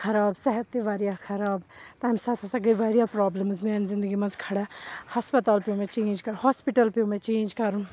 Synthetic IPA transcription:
kʰɐɾaːbsɛɦət̪ːiʋaːɾijakʰɐɾaːbt̪amsaːt̪ʰɐsɐɡiʋaːɾijaːpɾaːbləmzmeːnzɪ̃nd̪əɡimɐzkʰɐɽahɐspɐt̪aːlpijũmɛ̃t͡ʃẽːnd͡ʒkɐɾhaːspiʈəlpijũmɛ̃t͡ʃẽːd͡ʒkɐɾũ

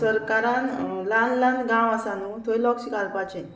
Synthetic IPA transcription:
səɾkaɾãnlanlanɡãwasanut̪oilɔksikalpat͡ɕe

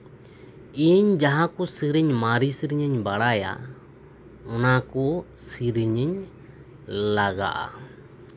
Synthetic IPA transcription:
iɲd͡ʒaɦãkɔsiɾiɲmaɾisiɾiɲəɲbaɽaja̰ | ɔnakɔ | siɾiɲiɲ | laɡa̰ʔa̰

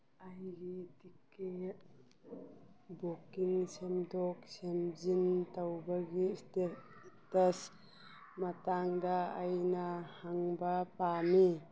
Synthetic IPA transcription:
ajɡitike | bokiŋsemdɔk̚semzintawbaɡiste | təs | mataŋdaajnahaŋbapami

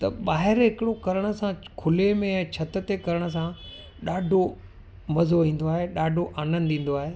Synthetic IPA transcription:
t̪ɐ̰ɓaːɦɪɾɦɪkɪɽokɐɾəɽ̃ə̆sãkʰʊlemẽɛ̃ːt͡ɕʰɐt̪ət̪ekɐɾəɽ̃ʊ̆s̬ã | ɗaːɖʱo | mɐzoʋĩːn̆d̪oaːɦeɗaːɖʱoʔaːnə̃nd̪ĩːn̆d̪oaːɦeː

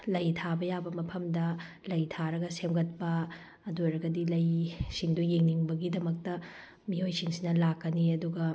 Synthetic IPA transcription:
lɐjtʰabɐjabɐmɐpʰɐmdɐ | lɐjtʰaɾɐɡɐsemɡɐt̚pɐː | dojɾɐɡɐdilɐjsiŋdujeŋniŋbɐɡidɐmɐk̚tɐ | miojsiŋsinɐlakːɐniɐduɡɐ

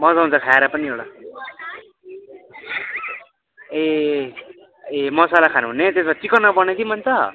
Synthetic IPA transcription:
mʌd͡zaunt͡sʰʌkʰaeɾʌpʌniewɽa | e | emʌsalakʰanuɦunet̪esbat͡sikʌnːʌbʌned̪imʌnt͡sʰʌ

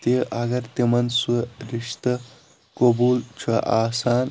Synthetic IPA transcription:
t̪eʔɐɡɐɾt̪emɐnsuɾiʂt̪ɐ | kobuːlt͡ʃʰuʔaːsaːn

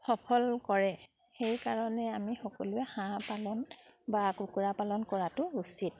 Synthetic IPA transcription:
xɔpʰɔlkɔɹɛ | xejkaɹɔnɛamixɔkɔ̰lʊɛxãpalɔnbakukuɹapalɔnkɔɹatʊusit̚

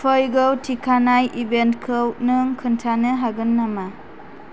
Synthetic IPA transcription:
pʰɔjɡɯwtʰikʰanajʔibentkʰɯwnɯŋkʰɯntʰanɯɦaɡɯnːama

